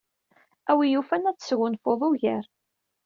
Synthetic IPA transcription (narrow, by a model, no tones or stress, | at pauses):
æwijufænæt͡sːə̥sɣʊnfoðˤʊʝəɾ